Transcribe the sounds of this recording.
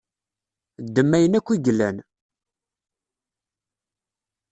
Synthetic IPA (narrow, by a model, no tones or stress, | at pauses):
d̪ːəmːæjənækʷːiɡlːæn